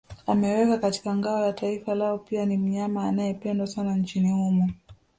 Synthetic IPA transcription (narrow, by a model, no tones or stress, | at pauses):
amɛwɛkakati̥kaŋɡaɔjataifalaɔpianim̩ɲamaːnajɛpɛndwasanaɲt͡ʃinihumu